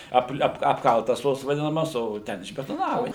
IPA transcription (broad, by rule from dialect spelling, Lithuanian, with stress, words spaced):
ˈɐplˠ ˈɐp ɐpˈkɐlˠtɐs ˈtoːs ʋɐˈdʲɪnɐmɐs ˈoː ˈtʲɛn ɪʒʲbʲɛtoːˈnɑːʋɐ